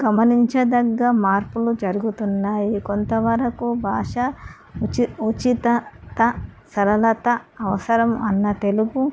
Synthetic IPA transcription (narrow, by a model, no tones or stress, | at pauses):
ɡɐmɐniɲt͡ʃɐd̪ɐɡːɐmaːɾpulud͡ʒɐɾuɡut̪unːaːjikont̪ɐʋɐɾɐkubʱaːʂɐ | iut͡ʃit̪ɐt̪ɐsɐɾɐlɐt̪ɐːʋɐsɐɾɐmɐnːɐt̪e̞luɡu